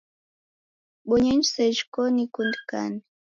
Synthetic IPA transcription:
ɓɔɲɛɲd͡ʒsɛʒkɔnikundka̰ni

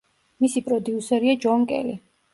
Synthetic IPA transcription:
misipʼɾɔd̪iusɛɾiad͡ʒɔŋkʼɛ̰li

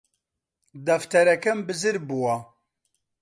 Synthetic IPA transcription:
d̪ɐft̪ʰɛɾɛkɛmbɨzɨɾbuwa

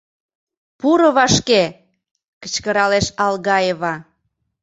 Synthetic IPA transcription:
puɾə̆βɑʃke | kə̥t͡ɕkəɾɑleʃɑlɣɑjeβɑ

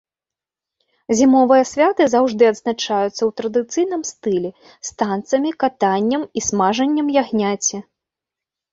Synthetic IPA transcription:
zʲimɔvɨjɐsʲvʲat̪ɨzawʐd̪ɨɐd̪znat͡ʂajut̪sːɐwt̪ɾɐd̪ɨt̪sɨjn̪ɨmst̪ɨlʲɛ | st̪ant̪sɐmʲikat̪anʲːɐmismaʐɐnʲːɐmjaɣnʲat͡sʲɛ

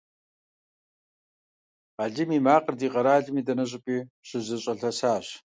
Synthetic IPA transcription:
aɮɨmiːmaːqərdiːqʼɐɾaːɮɪmiːdɐnɐɕ̬ʼʊpʼiːɕɨzɨɕʼɐɬɐsaːɕ

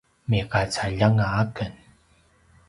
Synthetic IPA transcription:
mikat͡saʎaŋaakən

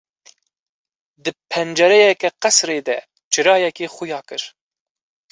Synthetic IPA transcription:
d̪ɨpʰɛnd͡ʒɛɾɛjɛkɛqɛsɾeːd̪ɛ | t͡ʃʰɨɾɑːjɛkeːxʊjɑːkɨɾ

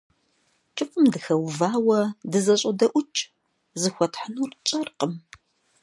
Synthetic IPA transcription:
t͡ʃʼɨfʼɨmdɨxɐwvaːwɐdɨzɐɕʼɐdɐʔʷʊt͡ʃʼ | zɨxʷɔtħənuːrt͡ʃʼɐrqəm

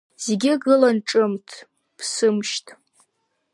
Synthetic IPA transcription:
z̥eɡʲɪɡɨlanʈ͡ʂʼɨmtʰ | pʰsɨmʃtʼʰ

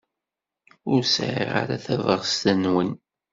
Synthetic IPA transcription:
ʊɾsʕḭʁa̰ɾaθævəʁst̪ænwən

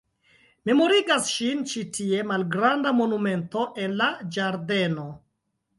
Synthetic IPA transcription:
me̞mo̞ɾiɡasʃint͡ʃitie̞malɡɾandamo̞nume̞nto̞ʔe̞nːad͡ʒaɾde̞no̞

